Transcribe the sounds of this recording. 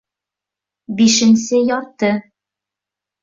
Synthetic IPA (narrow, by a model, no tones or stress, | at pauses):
biʃɘ̆nsɘjɒɾt̪ɤ